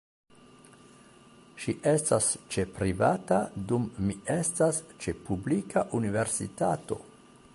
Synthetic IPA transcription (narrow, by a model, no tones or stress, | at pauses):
ʃiʔe̞stast͡ʃe̞pɾivatadumːie̞stast͡ʃe̞publikaʔunive̞ɾsḭtato̞̰